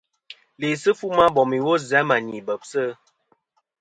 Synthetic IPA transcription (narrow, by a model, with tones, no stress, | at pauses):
le˨sə˦fu˦ma˦bɔ˨mi˨wo˦za˨˦ma˨ɲi˨bə˨p̚sə˦